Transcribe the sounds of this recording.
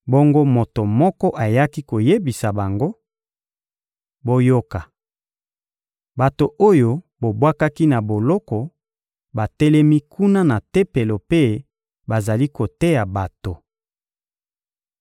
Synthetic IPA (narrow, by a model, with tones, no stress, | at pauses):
bo˦ŋɡo˦mo˨to˨mɔ˦kɔ˦ʔa˨ja˦ki˦ko˨je˦bi˨sa˨ba˨ŋɡo˦ | bo˦jo˦ka˨ | ba˨to˨o˦jo˦ | bo˨bwa˦ka˦ki˦na˨bo˨lɔ˦kɔ˨ | ba˨tɛ˦lɛ˦mi˦kʰu˦na˦na˨tɛ˦pe˨lo˨pe˦ | ba˨za˨li˦ko˨te˦ja˨ba˨to˨